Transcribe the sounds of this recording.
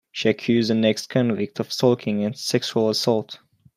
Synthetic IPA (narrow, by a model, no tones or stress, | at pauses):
ʃiɨkʰjʉzənɛkstkʰɔ̃nvɪk̚tʰɔv̥sɔlkʰɪ̃ŋɨ̃nsɛkʃuəlˠəsɔlˠt